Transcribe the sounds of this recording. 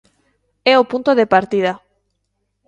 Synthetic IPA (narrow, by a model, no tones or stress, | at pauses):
ɛopunt̪oðepaɾt̪ið̞a